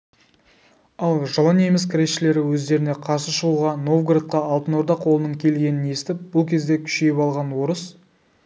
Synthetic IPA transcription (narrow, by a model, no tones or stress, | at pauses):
ɑlˠʒəlˠəne̞mɪs̬kʰʲɾe̞ʃːɪle̞ɾɪwɵzd̪e̞ɾɪne̞qʰɑsəʃəʁuʁɑno̞vɡrat̪̚qɑːlˠt̪ənoɾd̪ɑqʰo̞lˠənəɴkʲʰe̞lɡʲe̞nɪne̞st̪ɪp̚b̥ʊlˠkʲʰe̞zd̪ekʲʰʏ̥ʃejɪpɑlˠʁɑnwo̞ɾəs